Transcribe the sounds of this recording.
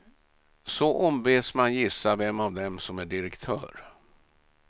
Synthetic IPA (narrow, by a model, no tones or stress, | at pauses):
sɔʔɔmveːsmanjɪsːavɛmːavd̪ɛmsɔmæɖɪɾɛkt̪ʰœ̰ːɾ